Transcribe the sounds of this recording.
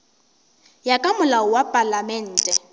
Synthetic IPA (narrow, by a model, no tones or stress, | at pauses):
jakʼamʊlaɔwapʼalamɛn̩ːtʼɛ